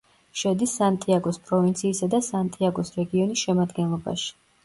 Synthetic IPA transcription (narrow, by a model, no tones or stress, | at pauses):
ʃɛd̪isːant̪ʼiaɡɔspʼɾɔvint̪sʰiːsad̪asant̪ʼiaɡɔsɾɛɡiɔnisʃɛmad̪ɡɛnlˠɔba̰ʃi̥